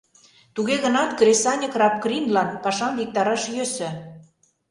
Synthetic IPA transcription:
t̪uɣeɣə̆nɑt̪kɾesɑnʲɤkrɑp̚krinlɑnpɑʃɑmvik̚t̪ɑɾɑʃjøsø̆

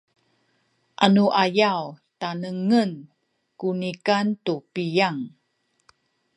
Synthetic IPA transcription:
ʔanuʔajaw | tanəŋən | kunikantupijaŋ

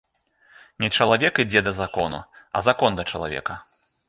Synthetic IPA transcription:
nʲɛt͡ʂɐlˠavʲɛkid͡zʲɛd̪ɐzakɔnṵɐ̰zakɔnd̪ɐt͡ʂɐlˠa̰vʲɛ̰kɐ

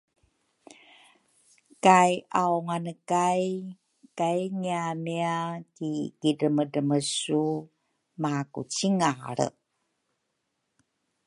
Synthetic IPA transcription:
kajʔawŋanəkaj | kajŋiamiakiɡ̥idəmədəməsu | makṵt͡ɕiŋaɾə̰

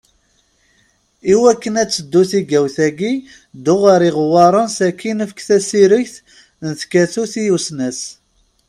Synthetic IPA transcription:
iwækːənæt͡sːəd̪ːuθiɡæwθæɡi | d̪ʊʁəɾiʁwɑɾˤənsækːinəfkθæsiɾiçθ | nəθkæθuθijusnæs

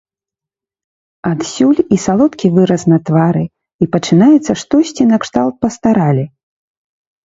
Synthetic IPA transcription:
ad̪sʲulʲisalˠɔt̪kʲivɨɾɐsnɐt̪vaɾɨ | ipɐt͡ʂɨnajɛt̪sːɐʂt̪ɔsʲt͡sʲinɐkʂt̪alˠt̪̚pɐst̪aɾalʲi

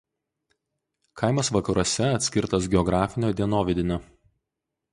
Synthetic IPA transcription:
kʰaˑɪmɐsʋɐkɐɾoɔsʲɛɐt̪ʲsʲkʲɪɾt̪ɐs̬ɡʲɛɔɡɾɑːfʲɪnʲoːd̪ʲɛnoːʋʲɪd̪ʲɪnʲoː

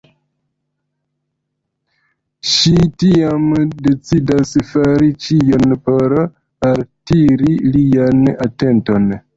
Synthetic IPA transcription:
ʃitiamde̞t͡sidasfaɾit͡ʃio̞npo̞ɾ | altiɾilianate̞nto̞n

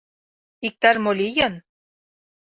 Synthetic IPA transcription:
ik̚t̪ɑrmolʲijɤ̆n

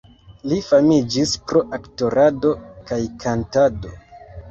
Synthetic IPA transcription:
lifamid͡ʒispɾo̞ʔakto̞ɾʔado̞kajkʰantado̞̰

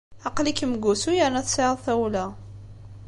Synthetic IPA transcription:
ɑqlikəmɡusujənæθseʕðˤθæwlæ

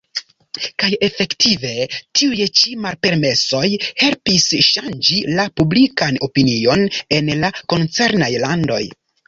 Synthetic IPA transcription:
kaje̞fe̞ktʰive̞tʰiujt͡ʃimalpe̞ɾme̞so̞jhe̞lpisʃand͡ʒilapublikano̞pinio̞ne̞nlako̞nt͡se̞ɾnajlando̞̰j

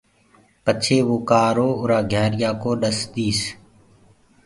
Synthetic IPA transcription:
pət͡ʃʰeːʋoːkaːɾoːʊɾaːɡʱjaːɾɪjaːkoːɗəsd̪iːs

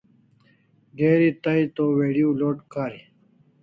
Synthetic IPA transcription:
ɡeːɾit̪ɐit̪oːweːɖijuloːʈkaːɾi

